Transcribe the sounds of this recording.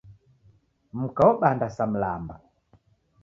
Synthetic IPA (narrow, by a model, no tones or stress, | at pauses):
m̩kaɔɓandasam̩lamba